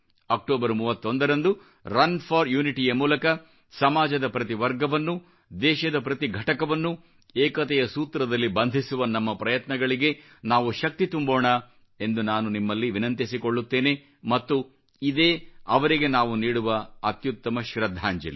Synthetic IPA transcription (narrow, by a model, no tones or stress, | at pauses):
ɐk̚ʈoːbɐɾmuːʋɐt̪ːo̞nd̪ɐɾɐnd̪u | ɾɐnpʰɐɾjuːniʈijɐmuːlɐkɐ | sɐmaːd͡ʒɐd̪ɐpɾɐt̪iʋɐɾɡɐʋɐnːu | d̪ɛːʃɐd̪ɐpɾɐt̪iɡʱɐʈɐkɐʋɐnːu | eːkɐt̪ɛjɐsuːt̪ɾɐd̪ɐlːibɐnd̪ʱisuʋɐnɐmːɐpɾɐjɐt̪nɐɡɐɭiɡe̞ | naːʋuʃɐk̚t̪it̪umboːɳɐ | e̞nd̪unaːnunimːɐlːiʋinɐnt̪isiko̞ɭːut̪ːe̞ːne̞ | mɐt̪ːu | id̪eːɐʋɐɾiɡe̞naːʋuniːɽuʋɐɐt̪jut̪ːɐmɐʃɾɐd̪ʱːaːɲd͡ʒḛli